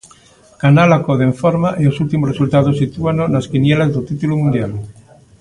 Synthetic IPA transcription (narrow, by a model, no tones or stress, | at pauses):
kanalakoðeɱfoɾmaʔeosult̪imoresult̪að̞osit̪uanonaskinjelazðot̪it̪ulumũnd̪jal